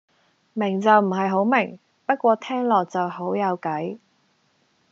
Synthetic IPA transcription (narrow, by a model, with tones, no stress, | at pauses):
mɪ˨˩ŋt͡sɐ˨wm̩˨˩ɦɐ˨jɦo˨˥wmɪ˨˩ŋ | pɐ˥t̚kʷɔː˧t̪ʰɛː˥ŋlɔː˨k̚t͡sɐ˨who˨˥wjɐ˨˧wkɐ˨˥j